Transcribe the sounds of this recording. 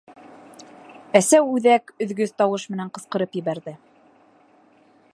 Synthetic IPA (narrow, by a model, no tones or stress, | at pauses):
æsæwʉðækɵ̆ðɡɵðt̪ɑwɤʃmɘ̆næɴqɤ̆sqɤ̆ɾɤpjɘ̆βæɾðɘ